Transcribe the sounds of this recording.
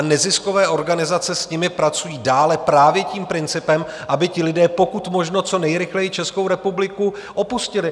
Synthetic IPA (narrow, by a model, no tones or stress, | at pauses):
nɛzɪsko̞vɛːʔo̞ɾɡanɪzat͡sɛsɲɪmɪpɾat͡sujiːdaːlɛpɾaːvjɛciːmpɾɪnt͡sɪpɛmʔabɪcɪlɪdɛːpo̞kut̪mo̞ʒnot͡so̞nɛjɾɪxlɛjit͡ʃɛsko̞wɾɛpublɪku | ʔo̞puscɪlɪ